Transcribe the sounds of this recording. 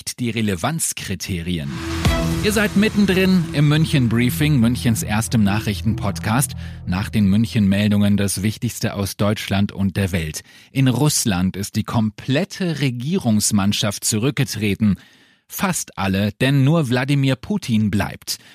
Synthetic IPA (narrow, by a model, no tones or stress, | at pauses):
td̥iːʁeləvant͡skʁ̥itʰeːʁiə̰nʔiːɐzaɪtmɪtn̩dʁɪnʔɪmːʏnçənbʁiːfɪŋmʏnçənsʔḛɐstɪmnaːχʁ̥ɪçtn̩pʰɔtkʰaːstnaːχd̥eːnmʏnçənmɛldʊŋəndasv̥ɪçtɪçstəʔa̰ʊsd̥ɔʏt͡ʃlantʊ̰nt̚d̥eːɐvɛltʔɪnʁʊslantɪst̚d̥iːkʰɔmpʰlɛtʰəʁeɡiːʁʊŋsmanʃaft̚t͡suʁʏk̚ɡ̥ətʁ̥eːtn̩ | fastʔa̰ləd̥ɛnːuːɐvladimiːɐpʰuːtʰinbla̰ɪpt